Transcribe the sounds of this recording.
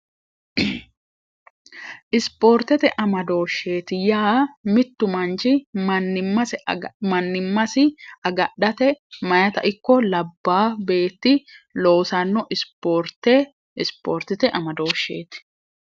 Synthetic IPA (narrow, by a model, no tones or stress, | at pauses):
ʔɪspo̞ːɾt̪ɛt̪ɛʔɐmɐd̪o̞ːʃːeːt̪ɪjaːmɪt̪ːʊmɐnt͡ʃɪɐnːɪmːɐsɛmɐnːɪmːɐsɪɐɡɐɗɐt̪ɛmɐjɐt̪ɐʔɪkːɔlɐbːaːbe̞ːt̪ːɪlo̞ːsɐnːɔʔɪspoːɾt̪e | ɪspo̰ːɾt̪ɛt̪ɛʔɐmɐd̪o̞ːʃːḛːt̪ɪ̥